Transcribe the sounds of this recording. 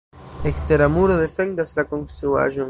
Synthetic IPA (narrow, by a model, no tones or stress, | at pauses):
ekst̪eɾamuɾoðefend̪aslakoŋst̪ɾua̰ʒo